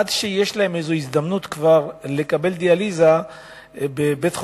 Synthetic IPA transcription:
adʃeje̞ʃlahe̞mezoizd̪amnut̪kvaʁle̞kabe̞ld̪ializa | bebetχ

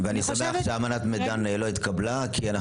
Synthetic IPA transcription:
veanisameaχʃeamanat̪med̪aneeloit̪kabla | kʰiana

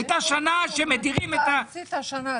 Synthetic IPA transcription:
t̪aʃanaʃemediʁimet̪at̪n

